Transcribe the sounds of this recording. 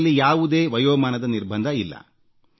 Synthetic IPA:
lːijaːʋud̪e̞ːʋɐjoːmaːnɐd̪ɐniɾbʱɐnd̪ʱɐilːɐ̰

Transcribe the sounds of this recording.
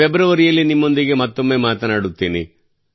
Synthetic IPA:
ɛbɾɐʋɐɾijɐlːinimːo̞nd̪iɡe̞mɐt̪ːo̞mːe̞ːmaːt̪ɐnaːɽut̪ːiːnḭ

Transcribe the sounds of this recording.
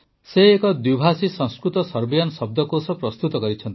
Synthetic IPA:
seekɔd̪wibʱasisɔ̃ŋskɾut̪ɔsɔɾbijansɔb̚d̪ɔkosɔpɾɔst̪ut̪ɔkɔɾit͡ʃʰɔnt̪i̥

